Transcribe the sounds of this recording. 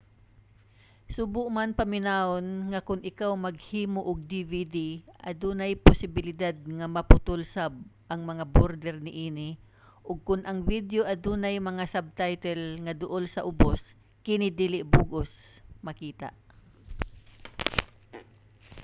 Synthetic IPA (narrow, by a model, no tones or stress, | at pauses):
sʊbʊʔmanpɐmɪnaonŋɐkʊnʔɪkawmɐɡhiːmoʔʊɡ̚d̪ivid̪iʔɐd̪uːnajpʊsɪbɪlɪd̪ad̪̚ŋɐmɐpʊt̪ʊlsab̚ʔɐŋmɐŋaboɾd̪ɛɾnɪʔiːnɪ | ʔʊɡ̚kʊnʔɐŋvid̪joʔɐd̪uːnajmɐŋasab̚t̪ajt̪ɛlŋɐd̪ʊʔolsɐʔʊbos | kɪnɪd̪iːlɪʔbuɡos | mɐkiːt̪a̰ʔ